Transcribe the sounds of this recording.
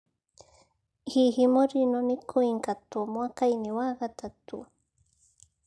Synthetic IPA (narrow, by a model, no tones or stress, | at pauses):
xiximoɾinonikʰuiŋkat̪umwakajniwaɢat̪at̪ṵ